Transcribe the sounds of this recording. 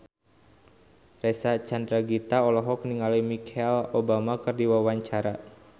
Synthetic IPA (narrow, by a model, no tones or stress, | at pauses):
rɛsat͡ʃand̪ɾaɡit̪aɔlɔɦɔkniŋalimikʰɛlobamakɨrdiwawaɲt͡ʃaɾa